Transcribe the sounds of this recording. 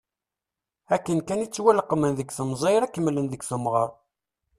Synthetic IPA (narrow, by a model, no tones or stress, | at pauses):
ækːənkænit͡sːwælqːmənðəɡθəmzˤɑjɾækːəmːlənðəɡθəmʁəɾˤ